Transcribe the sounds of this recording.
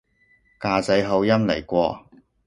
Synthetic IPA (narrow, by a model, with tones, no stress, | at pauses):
kaː˧t͡sɐ˨˥jɦɐ˨˧wjɐ˥mle˨˩jkʷɔː˧